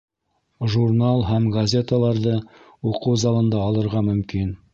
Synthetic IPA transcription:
ʒurnalˠɦæmɡɐzʲe̞t̪əlˠɑɾðɤ | uqɤwzɑlˠɤ̆nd̪ɑːlˠɤ̆ɾʁɑmɵ̆mkin

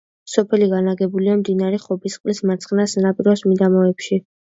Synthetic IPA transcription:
sɔpʰɛliɡanaɡɛbuliamd̪inaɾɛχɔbisqʼlismat̪sʰχnasnapʼiɾɔsmid̪amɔɛpʃi

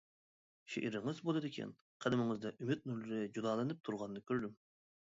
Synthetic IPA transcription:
ʃḛʔiɾɪŋɨzbolˠɨd̪ɪkʲʰɛ̰n | qʰælɪmɪŋɨzd̪ɛʔymyt̪̚nuɾlyɾɪd͡ʒud̪ɑːlˠɨnɨp̚t̪ʰuɾʁɑnːɨkʲøɾd̪ym

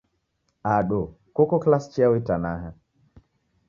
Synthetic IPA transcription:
aɗo | kokɔklast͡ʃiawitanaɦa

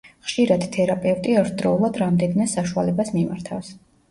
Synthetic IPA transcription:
χʃiɾad̪̥t̪ʰɛɾapʼɛvt̪ʼiɛɾt̪ʰd̪ɾɔulˠad̪ɾamd̪ɛnmɛsaʃualɛbasmimaɾt̪ʰafs

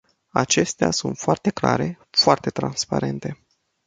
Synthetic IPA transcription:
a̰t͡ʃe̞st̪ea̰sunt̪foart̪e̞kla̰ɾe̞ | foart̪e̞t̪ɾanspaɾe̞nt̪e̞

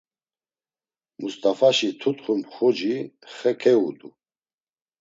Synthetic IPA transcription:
must̪ʼafaʃit̪ʰut̪χumχɔd͡ʒiχɛkʰɛud̪u

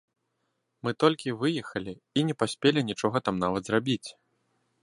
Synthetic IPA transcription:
mɨt̪ɔlʲkʲivɨjɛxɐlʲi | inʲɛpasʲpʲelʲinʲit͡ʂɔɣɐt̪amnavɐt̪zɾabʲit͡sʲ

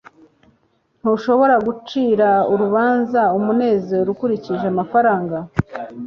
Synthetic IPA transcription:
n̥uʃo̞βo̞ɾaɡut͡ʃiːɾauɾuβaːnzaumune̞ːzeɾoɾukuɾiciʒeamafaɾaːŋɡa

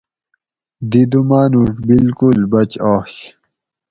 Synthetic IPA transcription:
d̪id̪umaːnuʈbilkulbɐt͡ɕoːɕ

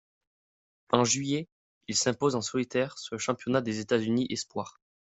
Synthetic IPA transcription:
ɑ̃ʒɥije | ilsɛ̃pozɑ̃sɔlit̪ɛʁsyʁləʃɑ̃pjɔnad̪ezet̪azyniʔɛspwaʁ

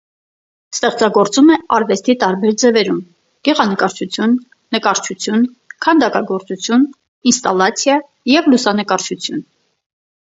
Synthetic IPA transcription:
st̪ɛχt͡sɑɡɔɾt͡sumɛɑɾvɛst̪it̪ɑɾbɛɾd͡zɛvɛɾum | ɡ̥ɛʁɑnəkɑɾt͡ʃʰut͡sʰjunː | əkɑɾt͡ʃʰut͡sʰjun | kʰɑnd̪ɑkɑɡɔɾt͡sut͡sʰjun | inst̪ɑlːɑt͡sʰjɑ | jɛvlusɑnəkɑɾt͡ʃʰut͡sʰjun

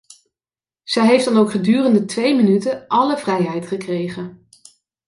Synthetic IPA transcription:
z̥ɛjɦejfdɑnowkχədyːrəndətʋejmənytəʔɑləvrɛjɦɛjtχəkrejχən

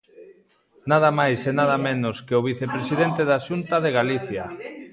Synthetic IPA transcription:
naðɐmajsenaðamenʊskeʊβ̞iθepɾesiðent̪eðaʃunt̪aðeɣaliθja

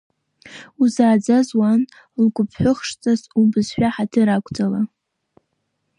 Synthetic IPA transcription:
uzaːd͡zazwan | lɡʷʊpʰħʷʊχʂt͡sʼazubɨzħʷᶣaħatʰɨɾakʷʰʼd͡zʼala

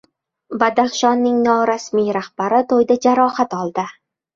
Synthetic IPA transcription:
bad̪aχʃɒnːɪŋnɒɾasmijɾahb̥aɾɪt̪ʰojd̪ad͡ʒaɾɒhat̪ɒlˠd̪ɪ

